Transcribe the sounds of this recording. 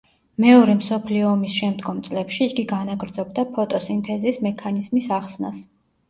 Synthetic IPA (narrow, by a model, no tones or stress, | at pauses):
mɛɔɾɛmsɔpʰliɔːmisʃɛmd̪ɡɔmt̪sʼlɛpʃiːɡiɡanaɡɾd̪zɔbd̪apʰɔt̪ʼɔsint̪ʰʼɛziːsmɛkʰanizmisaχsna̰s